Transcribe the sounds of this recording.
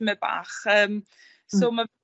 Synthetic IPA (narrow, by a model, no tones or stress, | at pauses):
mɛba̰ːχəːm | soːma